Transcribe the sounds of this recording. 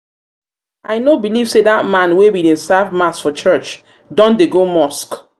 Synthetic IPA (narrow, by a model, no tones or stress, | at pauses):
ʔajnobilivseðat̚mãnwewidẽnsavmasfɔt͡ʃɜt͡ʃ | dɔ̃ndeɡomɔsk